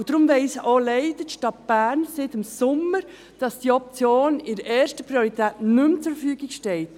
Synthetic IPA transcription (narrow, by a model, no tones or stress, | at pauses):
ʊd̥ɾʊmʋɛɪsʔoːleɪdəʃtɑt̚b̥æːɾnsɪtɪmsʊmːəɾ | d̥ɑsd̥iːɔp̚t͡sjoːnɪɾəʔɛːɾʃtəpɾioɾitʰɛːtnʏmt͡suffyːɡɪɡʃtɛlt